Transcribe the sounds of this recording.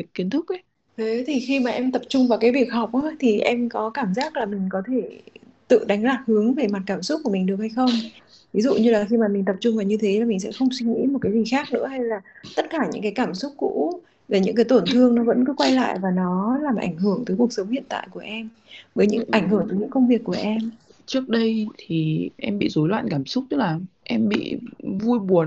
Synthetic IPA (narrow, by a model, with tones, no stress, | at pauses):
t̚ki˨˦ənt̪ʰʊ˦˥k̚ʔ | e˨˦t̪ʰi˨˩xi˧maː˨˩ʔɛ˧mt̪ə˨˩p̚t͡ɕʊ˧ŋ͡mvaː˨˩wkaː˨˦jvi˨˩ək̚hɔ˨˩k͡p̚ʔa˧˦t̪ʰi˨˩ʔɛ˧mkɔ˨˦kaː˧˩mzaː˦˥k̚laː˨˩mï˨˩ŋ̟kɔ˨˦t̪ʰe˧˩ | t̪ɨ̰˧˨ɗa˨˦ŋzaː˨˩t̚hɨ˨˦əŋve˨˩ma˨˩t̚kaː˧˩msʊ˦˥k͡p̚kːu˧˩əmï˨ŋ̟ɗɨ˨˩ək̚ha˧jxə˧wŋ͡m | vi˨˦zṵ˧˨ɲɨ˧laː˨˩xi˧maː˨˩mï˨˩ŋ̟t̪ə˨˩p̚t͡ɕʊ˧ŋ͡mvaː˨˩ɲɨ˧t̪ʰe˨˦laː˨˩mi˨˩ŋ̟sɛ̰˧˥xə˧wŋ͡mswi˧ŋḭ˧˥mo˨˩t̚kaː˨˦zi˨˩xaː˦˥k̚nɨ̰˧˥əha˧jlaː˨˩t̪ə˦˥t̚kaː˧˩ɲɨ̰˧˥ŋkaː˨˦jkaː˧˩msʊ˦˥k͡p̚kːṵ˧˥ | vaː˨˩ɲɨ̰˧˥kaː˨˦jt̪o˧˩nt̪ʰɨ˧əŋnɔ˨˦və̰˧˥nkɔ˨˦kwa˧jla̰ː˧˨jvaː˨˩nɔ˨˦laː˨˩mʔa̰˧˩jŋ̟ɦɨ˧˩əŋt̪əː˨˦jku˨˩ək̚sə˨˦wŋ͡mhḭ˧˨ənt̪a̰ː˧˨jku˧˩əʔɛ˧m | vəː˨˦jɲɨ̰˧˥ŋʔa˧˩jŋ̟hɨ˧˩əŋt̪əː˨˦jɲɨ̰˧˥ŋkə˧wŋ͡mvi˨˩əkːu˧˩əʔɛ˧mt͡ɕɨ˦˥ək̚ɗə˧jt̪ʰi˨˩ʔɛ˧mɓḭ˧˨zo˨˦jlwa̰ː˧˨nkaː˧˩msʊ˦˥k͡p̚t̪ɨ˦˥klaː˨˩ʔɛ˧mɓḭ˧˨vu˧jɓu˨˩ən